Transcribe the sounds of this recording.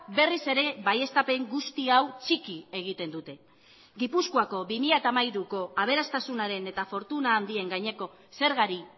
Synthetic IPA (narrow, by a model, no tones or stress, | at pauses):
be̞rise̞ɾe̞βaje̞st̪ape̞ŋɡust̪iawt͡ʃikie̞ɣ̞it̪e̞nd̪ut̪e̞ | ɡipuskuako̞βimiʎat̪amajɾuko̞aβ̞e̞ɾast̪asunaɾe̞ne̞t̪afo̞ɾt̪unaːnd̪ie̞ŋɡajɲe̞ko̞ | se̞ɾɣaɾi